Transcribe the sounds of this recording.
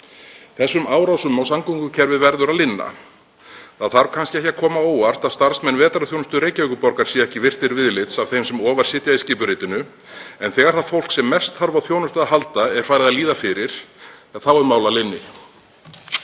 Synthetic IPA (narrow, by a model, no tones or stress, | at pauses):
θɛsːʏmaːwɾawsʏmːawsamkuŋkʏcʰɛɾvɪðvɛɾðʏɾaðlɪnːa̰ | θaðθaɾv̥kʰanscɪɛhçcːakʰɔːmaoːwar̥t̪aðst̪aɾ̥smɛnːvɛːt̪aɾaθjownʏst̪ʏɾeːjcavœːkʏpɔɾkaɾ̥siːaɛhcɪvɪr̥t̪ɪɾvɪðlɪt̪sav̥θejmsɛmɔːvaɾ̥sɪt̪jaisciːpʏɾɪjt̪ɪnʏ | ɛnθɛːɣaɾ̥θaðfowl̥ksɛmːɛst̪θaɾvawθjoːwnʏst̪ʏaɦalt̪aɛ̥faːɾɪðaliːðafɪɾɪɾ̥aθawɛɾmaːwlalɪnːɪ